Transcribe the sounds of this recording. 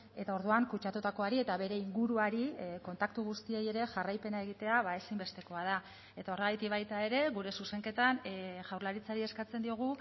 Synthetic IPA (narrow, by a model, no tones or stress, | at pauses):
e̞t̪ao̞ɾðuaŋkut͡ʃat̪ut̪ako̞aɾie̞t̪aβe̞ɾe̞iŋɡuɾuaɾiko̞nt̪akt̪uɣ̞ust̪ieje̞ɾe̞ʝarajpe̞nae̞ɣit̪e̞aβae̞simbe̞st̪e̞ko̞að̞a | e̞t̪ao̞reɣ̞ajt̪ikβajt̪ae̞ɾe̞ɣuɾe̞suse̞ŋke̞t̪anʝawɾlaɾit͡saɾie̞skat͡se̞nd̪io̞ɣ̞u